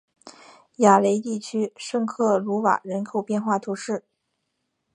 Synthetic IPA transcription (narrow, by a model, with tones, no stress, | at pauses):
ja˨˩le˧˥ɪt̪i˥˩t͡ɕʰy˥ʂɤ˥˧ŋkʰɤ˥˩lu˧˥wa̰˨˩ɻə˧˥nkʰo˨˩ʊpjɛ˥˧nxwa˥˩t̪ʰu˧˥ʂɻ̩˥˩